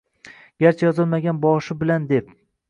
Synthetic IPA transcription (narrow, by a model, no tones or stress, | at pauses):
ɡ̥ʲaɾt͡ʃʰajɒzɒlˠmaɡʲanbɒʃɪbɪland̪e̞p̚